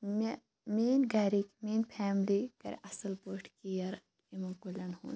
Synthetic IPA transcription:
me | meːnɡɐɾikmeːnpʰɛːmlikɐ̰ɾ̰ʔɐsɐlpoːʈʰkijɐɾ | imɐkulʲɐnhṵː

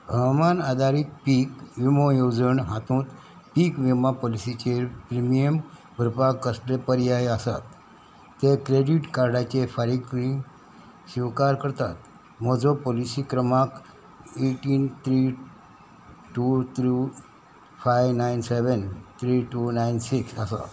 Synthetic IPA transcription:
bʱəɡmanad̪ʱaɾik̚piːkʋimojod͡zəɳɦãt̪ũːt̪ | pikʋimapolisit͡ɕepɾimijjəm | bʱəɾpakːəslepəɾjajəsa̰t̪ː | ekɾeɖiʈkaɾɖat͡ɕefaɾiɡiŋɡ | ɕiʋkaɾkəɾt̪at̪ | məd͡zɔpolisikɾəmak | eʈiːnt̪ʰɾi | ʈut̪ʰɾu | fajʋnajnseʋənt̪ʰɾiːʈunajnsiksəsa̰

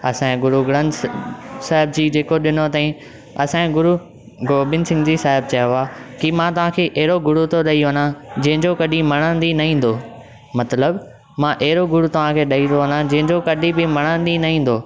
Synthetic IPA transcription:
ɐsãɡʊɾuɡɽə̃n | saːɦɪb̚d͡ʑiːd͡ʑeːkoɗɪnot̪ãːĩ | ɐsãɡʊɾu | ɡoːbɪnsɪ̃ŋɡd͡ʑiːsaːɦɪb̚t͡ɕɐjoaːkimãt̪ɐʋ̤ãkʰeːʔɐɦɪɾoɡʊɽut̪ʰoɗɐiʋɐnãd͡ʑɐ̃ɦɪ̃ɲd͡ʑokɐɗĩmɐɽ̃ãːnd̪inɐɦĩːn̆d̪oː | mɐt̪ləb | mãːʔɐɦɪɾoɡʊɽut̪ɐʋ̤ãkʰeːɗɐit̪ʰoʋɐnãd͡ʑɐ̃ɦɪ̃ɲd͡ʑokɐɗibɪmɐɽ̃ãːn̆d̪inɐɦĩːn̆d̪oː

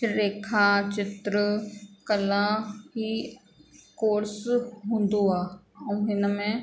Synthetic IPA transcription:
ɾeːkʰaːt͡ʃɪt̪ɾəkəlãɦi | koːɾsɦʊ̃nd̪oãːɦɪnmẽ

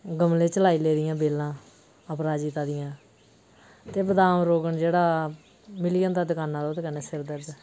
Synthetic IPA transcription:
ɡəmlẽːt͡ʃəlaːiːleːd̪ɪjãːbeːlãː | əpɾaːd͡ʒiːt̪ãːd̪ɪjãː | t̪eːbəd̪aːmɾoːɡəɳd͡ʒeːɽaː | mɪlijənt̪aːd̪ɪkaːnːãːd̪oːt̪ekəneːsɪɾd̪əɾd̪

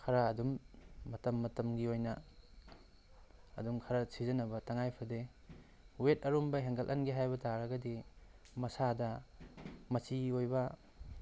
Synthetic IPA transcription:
kʰɐɾɐːdumːɐtɐmːɐtɐmɡiojnɐ | duŋkʰɐɾɐsizɐnɐbɐtaŋajpʰɐde | wet̚ɐɾombɐɦeŋɡɐlʔɐ̰nɡiɦajbɐtaɾɐɡɐdi | mɐsadɐ | mɐsiojbɐ

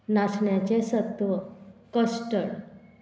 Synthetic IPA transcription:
nasɳjat͡ɕesət̪ʋəkəsʈəɭ

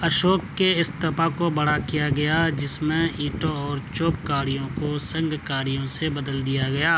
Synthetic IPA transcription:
ɐʃoːkːeɪst̪ɐpakobɐɽakijaɡɐjad͡ʒɪsmẽiːʈõɔːɾt͡ʃoːpkaːɽijõkosɐ̃ŋɡkaːɾijõsebɐd̪əld̪ijaɡɐjaː

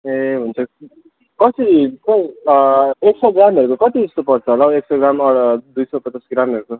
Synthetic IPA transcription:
eɦunt͡sʰʌ | kʌt̪ʰit͡sʌj | eksʌɡramɦeɾukokʌt̪id͡zʌst̪opʌrt͡sʰʌɦolawekseɡramʌɽʌd̪ujsʌpʌt͡sasɡɾamɦʌɾuko

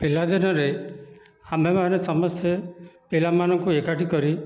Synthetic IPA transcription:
pelad̪inɔɾe | amemanesɔmɔst̪ʰepelamanɔŋkuekaʈikɔɾi

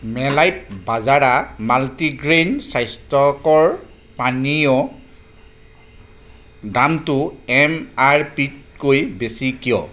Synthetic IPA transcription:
mɛlajt̚bazaɹamaltiɡɹensajstɔkɔɹ | panijɔ | damtʊɛmaɹpitkojbesikijɔ̰

